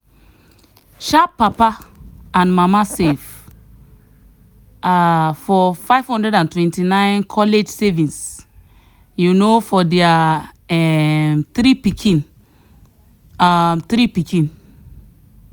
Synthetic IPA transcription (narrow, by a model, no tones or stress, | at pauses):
ʃapːapaãnmamasev | afɔfaɪv̥hɔ̃ndɛdãntwɛ̃ntinãɪ̃nkʰɔled͡ʒsɛvĩns | junofɔdɛaɛmtɾipikʰĩn | amt̪ɾipikĩn